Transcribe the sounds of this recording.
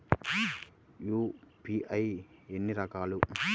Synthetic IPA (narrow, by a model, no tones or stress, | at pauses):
juːpiʔɐjenːiɾɐkaːlu